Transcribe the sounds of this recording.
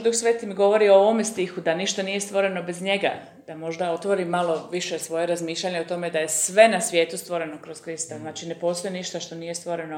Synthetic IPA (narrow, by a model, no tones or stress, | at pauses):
d̪uxsʋe̞ːt̪imiɡo̞ʋo̞ɾiooʋo̞mest̪ixud̪aniʃt̪anije̞st̪ʋo̞ɾeno̞be̞zɲe̞ɡa̰ | d̪amo̞ʒd̪ao̞t̪ʋo̞ɾimalˠo̞ʋiʃesʋo̞jeɾazmiːʃlʎaɲeot̪o̞me̞d̪ajesʋe̞nasʋje̞ːt̪ust̪ʋo̞ɾe̞nokɾo̞skɾist̪aznaːt͡ʃine̞po̞st̪o̞jeniʃt̪aʃt̪o̞nijest̪ʋo̞ɾe̞no